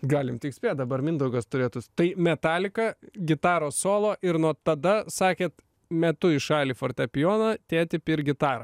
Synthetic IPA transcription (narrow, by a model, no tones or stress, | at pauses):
ɡɑːlʲɪmt̪ʲɪksʲpʲeːt̪̚d̪ɐbɐɾmʲɪnd̪ɐʊɡɐst̪ʊɾʲeːt̪ʊst̪ɐɪmʲɛt̪ɑːlʲɪkɐɡʲɪt̪ɑːɾoːsoːlˠoːʔɪɾnuɔt̪ɐd̪ɐsɑːkʲeːt̪ | mʲɛt̪ʊɪʃɑːlʲiːfoːrʲt̪ʲɛpʲɪjoːnɐt̪ʲeːt̪ʲɪpɪɾɡʲɪt̪ɑːɾɐ